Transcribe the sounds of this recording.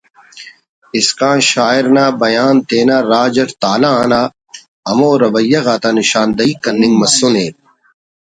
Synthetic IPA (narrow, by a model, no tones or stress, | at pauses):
iskãːɕaːiɾnaːbɐjaːnt̪eːnaːɾaːd͡ʑɐɾt̪aːlaãːnaː | ɐmoːɾɐʋɐjːɐɣaːt̪anɪɕaːnd̪ɐiːkɐnːĩŋɡmɐsːuneːt̪̚